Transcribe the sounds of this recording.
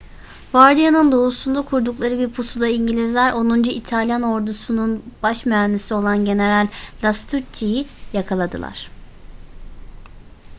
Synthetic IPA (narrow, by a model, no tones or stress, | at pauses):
vaɾd̪ijanɯnd̪o̞usund̪akʰuɾd̪uklˠaɾɯbiɾpʰusud̪aiɲɟilʲizlʲæɾʔo̞nund͡ʒuʔit̪ʰalʲjano̞ɾd̪usununb̥aʃmyænːisio̞lˠanɟe̞ne̞ɾalʲlast̪ʰuc̚t͡ʃijijakʰalˠad̪ɯ̰lˠa̰ɾ̥